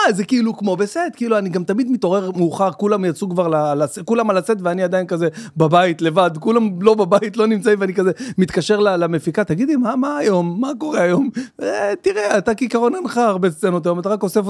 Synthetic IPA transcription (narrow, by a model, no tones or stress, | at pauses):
azekiilukmo̞besed̪kiiluaniɡamt̪amid̪mit̪o̞ʁe̞ʁmuːχaʁkulamjat͡sukvaʁlalasekulamalat͡set̪veaniad̪ainkazebabait̪le̞vad̪kulamlo̞babait̪lo̞nimt͡saiveanikazemit̪kaʃe̞ʁlalamefikat̪aɡid̪imamaːjo̞mːako̞ʁeajo̞met̪iʁeat̪akikaʁo̞nanχaːʁbest͡senot̪ajo̞mat̪̬aʁako̞sef